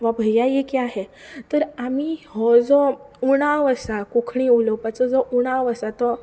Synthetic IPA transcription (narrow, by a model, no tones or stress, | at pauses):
ʋəbʱəjajekiaɦet̪əɾamihɔd͡zɔuɽ̃aʋəsakukʰɳ̃iulɔpat͡sɔd͡zɔʔuɽ̃aʋəsat̪ɔ